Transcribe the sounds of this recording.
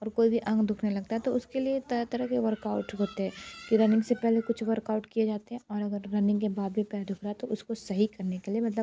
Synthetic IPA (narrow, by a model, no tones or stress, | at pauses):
ɔːɾkoːibʱiʔɐ̃ŋɡd̪ʱʊkʰnelɐɡ̚t̪aɦɛt̪oʊskeliet̪ɐt̪ɐɾəkeʋɐɾkaːʊʈɦoːt̪eɦɛ̃ːkiɾɐnɪ̃ŋɡsepɛɦlekʊt͡ʃʰʋɐɾkaːʊʈkied͡ʒaːt̪eɦɛ̃ɔːɾɐɡəɾːɐnɪ̃ŋɡkebaːd̪̚bʱipɛːd̪ʱʊkʰɾaɦɛt̪oʔʊskosɐɦikɐɾnekeliemɐt̪ləb